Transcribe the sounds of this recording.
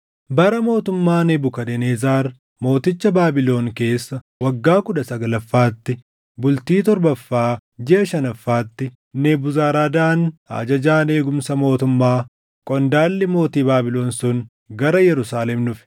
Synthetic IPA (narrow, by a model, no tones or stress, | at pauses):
bɐɾɐmo̞ːt̪ʊmːaːneːbʊkɐd̪ɛneːzaːɾ | mo̞ːt̪ɪt͡ʃːɐbaːbɪlo̞ːŋke̞ːsːɐ | wɐɡːaːkʊᶑɐsɐɡɐlɐfːaːt̪ːɪ | bʊlt̪iːt̪ɔɾbɐfːaːd͡ʒɪʔɐʃɐnɐfːaːt̪ːɪ | neːbʊzaːɾaːd̪aːna̰ːd͡ʒɐd͡ʒaːne̞ːɡʊmsɐmo̞ːt̪ʊmːaː | kʼɔnd̪aːlːɪmo̞ːt̪iːbaːbɪlo̞ːnsʊn | ɡɐɾɐjɛɾʊsaːlɛmnʊfɪ̥